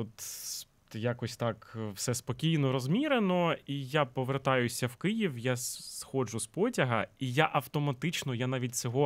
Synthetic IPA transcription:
ɔt̪ | jakɔsʲt̪ɑkwsɛspɔkʲijnɔɾɔzmʲiɾenɔijapɔʋert̪ɑjʊsʲɐwkɪjiwjasxɔʒʊspɔtʲɐɦɐijaʔɐwt̪ɔmɐt̪ɪt͡ʃnɔjanaʋʲit̚ʲt͡ssʲɔɦɔ

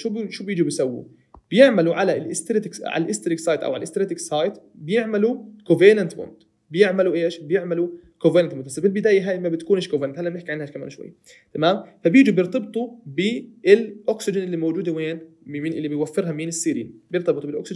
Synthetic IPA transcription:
ʃuːbʃuːbjɪːd͡ʒibɪjsawːṵ | b̥ɪjɪʕmaluʕalalʔɪst̪ɾɪt̪ɪkʕa̰llʔɪst̪ɾɪksɑːjt̪ʔa̰wʕalʔɪst̪ɾeːt̪ɪksˤɑːjt̪bɪjɪʕmalukʊvenant̪mʊ̰nt̪ | bɪjɪʕmaluʔeːʃbɪjɪʕmalu | kovenant̪mʊnd̪basːbɪlbɪd̪aːjaɦaːjmabɪt̪ḁkuːneʃkʊvaɾnant̪halːʔamnɪħkiʕanhaʃkama̰ːnʃwa̰jːa | t̪amaːmfabjiːd͡ʒibjɪɾt̪ɑb̚t̪ˤubɪɪlʔoksɪd͡ʒɪnʔɪlːimowd͡ʒuːd̪aweːnmɪnʔɪlːibɪjwafːɪɾɦamɪnɪsːiːɾḭːnbjɪɾt̪ɑbɨt̪ˤubɪlʔo̰ksɪd͡ʒn

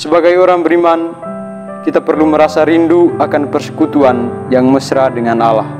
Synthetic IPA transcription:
səbaɡajoɾaŋbəɾiman | kit̪apərluməɾasaɾinduakanpərsə̥kut̪uanjaŋməsɾadəŋanalah

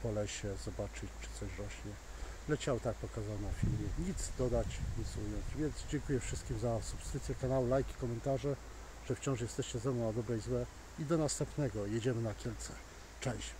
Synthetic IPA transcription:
pɔlɛɕɛzɔbat͡ʂɘt͡ɕt͡ʂɘ̥t̪sɔɕɾɔɕɲɛ | lɛt͡ɕawt̪ak̚pɔkazawnafʲilmʲjɛɲit̪zd̪ɔd̪at͡ɕɲit̪sujɔnt͡ɕvʲjɛnd̪zd͡ʑɛŋkujɛfʂɘst̪kʲimzasupskɾɘt̪sjɛkanawɘlajkʲi̥kɔmɛnt̪aʐɛ | ʐ̥ɛft͡ɕɔ̃w̃ʂjɛst̪ɛɕt͡ɕɛzɛmnɔ̃wnad̪ɔbɾɛjzwɛ | id̪ɔnast̪ɛmpnɛɡɔjɛd͡ʑɛmɘnakʲjɛlt̪sɛ̥ | t͡ʂɛ̃w̃ɕ

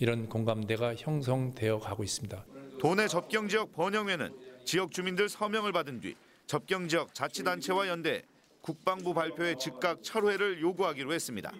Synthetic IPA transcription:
iɾʌnkoŋɡamde̞ɡaçjʌŋs̬ʰʌŋde̞jʌkaɡois͈ɯmɲidatone̞t͡ɕʌp̚k͈jʌŋd͡ʑiʌk̚p͈ʌɲʌŋwe̞nɯ̰nt͡ɕijʌk̚t͡ɕ͈umindɯɭsʰʌmjʌŋɯɭbadɯndɥḭ | t͡ɕʌp̚k͈jʌŋd͡ʑijʌk̚t͡ɕat͡ɕʰidant͡ɕʰe̞wajʌnde̞̰ | kuk̚p͈aŋbubaɭpʰjoe̞t͡ɕik̚k͈ak̚t͡ɕʰʌɾwe̞ɾɯɭjoɡuɦaɡiɾoɦe̞s͈ɯmɲida̰

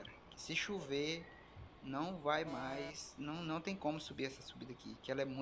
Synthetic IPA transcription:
ɾɐkɪ̥sɪʃuve | nɐ̃w̃vajmajsnɐ̃w̃nɐ̃w̃t̪ẽj̃kõmʊsubiɾɛsɐsubid̪ɐakḭkɪɛlɐɛmũ

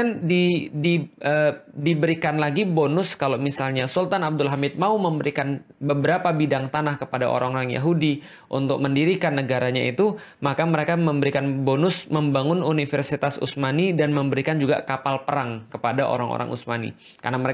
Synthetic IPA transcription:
andidiəːdibəɾikanlaɡibonʊskalomisalɲasult̪anab̚dʊlɦamɪt̪̚mauməmbəɾikanbəbəɾapabidaŋt̪anahkəpada̰ʔo̰ɾaŋoɾaŋja̰ɦudi | ʔunt̪ʊk̚məndiɾikanːəɡaɾaɲait̪u | makaməɾekaməmbəɾikanbonʊsməmbaŋʊnunifərsit̪asṵsmanidanməmbəɾikand͡ʒuɡa̰kapalpəɾaŋkəpadaʔo̰ɾa̰ŋo̰ɾa̰ŋʔṵsmanḭ | ka̰rnaməɾe

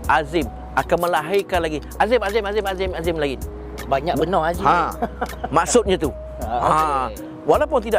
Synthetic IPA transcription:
ʔazɪm | akanmə̃laɦikanlaɡi | azɪmazɪmazɪmazɪmazɪmlaɡi | baɲakbənɔazihã | maʔsʊt̪̚ɲãt̪u | ha | walawpʊnt̪̬ida

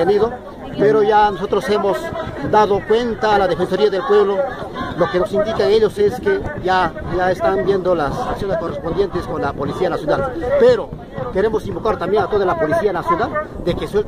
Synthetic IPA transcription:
eniðo̞ | pe̞ɾo̞ʝanoso̞t̪ɾo̞se̞mo̞sd̪aðo̞kwe̞nt̪aːlaðe̞fenso̞ɾiaðe̞lpwe̞βlo̞loke̞nosind̪ikaeŋe̞ʎo̞se̞skeʝaʝaest̪ambje̞nd̪olasaksjo̞nesko̞respond̪je̞nt̪esko̞nlapo̞lisianasjonalpe̞ɾo̞ | ke̞ɾe̞mo̞simbo̞kaɾt̪ambje̞ŋat̪o̞ðalapo̞lisianasjonald̪e̞keswelt

